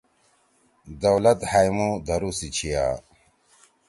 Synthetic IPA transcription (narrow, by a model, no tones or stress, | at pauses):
d̪ɐwlɐt̪hajmud̪ɐɾusit͡ɕʰija̰ː